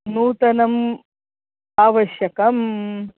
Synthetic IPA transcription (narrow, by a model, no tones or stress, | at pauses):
nuːt̪ɐnɐm | aːʋɐʃjɐkɐm